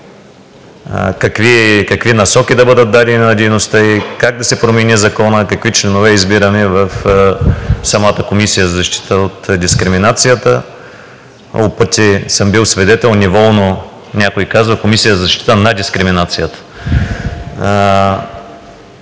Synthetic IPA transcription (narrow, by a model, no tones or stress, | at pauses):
kɐkvikɐkvinɐsɔkʲid̪ɐbɤd̪ət̪̚d̪ad̪ɛnʲinɐd̪ʲɛjnost̪əikaɡ̚d̪ɐsɛpɾomɛnizɐkɔnəkɐkvit͡ʃlɛnovɛizbiɾəmɛvɐf | sɐmat̪əkomisijəzɐzɐʃt̪i̥t̪əot̪d̪ʲiskɾɪminat̪sijət̪ə | opɤt̪ʲisəmbilˠsvɛd̪ɛt̪ɛlˠnɛvɔlˠno | nʲakoikazvəkomisijəzɐzɐʃt̪i̥t̪ənɐd̪ʲiskɾɪminat̪sijət̪ə̥